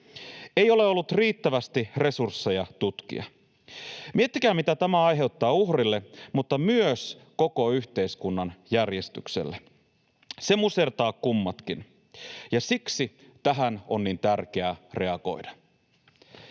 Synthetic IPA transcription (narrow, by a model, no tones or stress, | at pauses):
ejo̞le̞o̞lːut̪riːt̪ːæʋæst̪ire̞sursːe̞jɑt̪ut̪kḭɑ̰ | miet̪ːikæːmit̪æt̪æmæɑjɦe̞ut̪ːɑːuhrilːe̞mut̪ːɑmyøsko̞ko̞yçt̪e̞iskunːɑnjærje̞st̪y̰ksḛlːe | se̞muse̞rt̪ɑːkkumːɑt̪kin | jɑsiksi | t̪æɦæno̞nːint̪ærk̟e̞ære̞ɑɡo̞̰idɑ